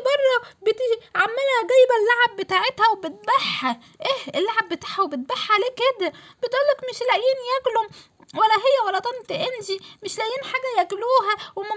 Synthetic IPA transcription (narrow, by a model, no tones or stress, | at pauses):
bɑrˤːɑbet̪iʕamːelhæɡæjebælːaʕebːet̪aːʕet̪hæwebet̪̚bæħːæ | ʔehelːaʕebːet̪aːħhæwebet̪̚baħːʕaleːked̪æbet̪ʔuːlːækmeʃlæʔjiːnjæːklom | wælːæɦejːæwælːæt̪ˤɑnt̪eʔenʒimeʃlæʔjiːnħaːɡæjækluːɦæwemæ